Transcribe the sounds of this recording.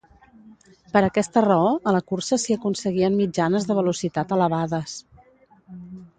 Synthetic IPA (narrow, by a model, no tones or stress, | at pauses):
pəɾəkɛst̪ərəoələkursəsiəkunsəɣiənmid͡ʒanəzðəβ̞əlusit̪at̪ələβaðəs